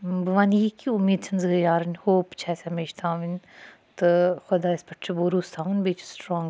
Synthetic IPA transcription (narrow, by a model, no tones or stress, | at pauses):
bɨʋãːnjikiʊmːiːd̪̚t͡sʰɐnzɨɨjaːɾɐnʲhoːpt͡ʃʰɛːsɐmeːʃt̪ʰãːʋinʲ | t̪ɨxʊd̪aːɪspɐʈʰt͡ʃʰiboːɾuːst̪ʰaːʋɐnbeːt͡ʃʰsʈɾɔ̃ːŋ